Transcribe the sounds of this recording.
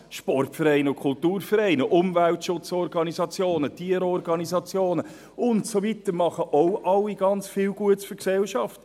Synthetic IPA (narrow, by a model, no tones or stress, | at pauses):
ʃpɔrtfəɾɛɪnəʊkʰʊltuːrfəɾɛɪnəʔʊmvæltʃʊt͡sɔrɡɑnizɑt͡sjoːnətiːəɾɔrɡɑnizɑt͡sjoːnə | ʊntsovitəɾmɑχəʔɔʊʔɑlːiɡɑnt͡sfɪːwɡuətsfʏɾksɛlʃɑft